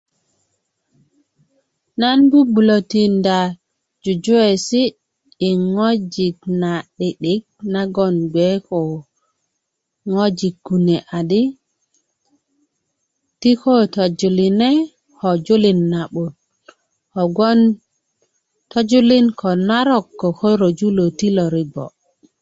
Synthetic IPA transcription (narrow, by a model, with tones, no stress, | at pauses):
na˦nbu˦bu˨lo˨ti˨nda | d͡ʒu˨d͡ʒu˦we˨siː˦˨ | ŋo˦d͡ʒi˨k̚na˨ɗi˨ɗi˦k̚na˦ɡɔ˦nɡɛ˦kɔ˨ | ŋo˦d͡ʒi˨ɡɡu˨nɛ˨ʔa˨di˦ | ti˦ko˦to˨d͡ʒu˨li˨nɛ˦ | ho˨d͡ʒu˦li˨nːa˨ɓu˨d̚ | ho˨ɡɔ˦n | to˦d͡ʒu˦li˦nkʰo˨na˦ɾɔ˦kːo˨ko˦ɾo˨d͡ʒu˦lo˨ti˦lo˨ɾi˨ɡo̰˨